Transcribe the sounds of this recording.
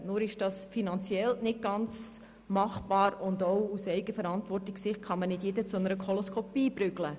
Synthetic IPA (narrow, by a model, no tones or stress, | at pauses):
nʊɾɪʃd̥ɑsfinɑnt͡sjɛlnɪt̚ɡ̥ɑnt͡s | mɑχb̥ɑːɾʊndoʊusɛɪɡəfəɾɑntʋɔrtɪksɪχt̚χɑmənɪdjedət͡sʊnəɾəkχolɔskʰɔpiːbɾʏɡlə